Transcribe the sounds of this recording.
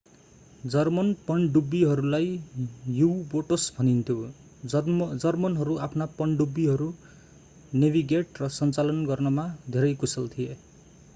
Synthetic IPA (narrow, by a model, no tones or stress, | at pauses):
d͡zʌrmʌnpʌɳɖubːiɦʌɾulajjuwboʈʌsbʱʌnint̪ʰjo | d͡zʌrmʌnɦʌɾuapʰnapʌɳɖubːiɦʌɾu | nebiɡeʈrʌsʌnt͡salʌnɡʌrnʌmad̪ʱeɾʌjkusʌlt̪ʰije